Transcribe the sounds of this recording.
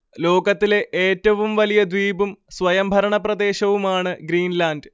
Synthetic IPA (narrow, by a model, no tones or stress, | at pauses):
lo̞ːɡɐt̪ːile̞ʔeːtːɐʋumʋɐlijɐd̪ʋiːbumsʋɐjɐmbʱɐɾɐɳɐprɐd̪e̞ːɕɐʋumaːɳɨɡɾiːnlaːndɨ